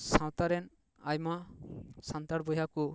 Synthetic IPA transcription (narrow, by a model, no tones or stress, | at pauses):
sãwt̪aɾɛn | ajmasant̪aɽbɔjaku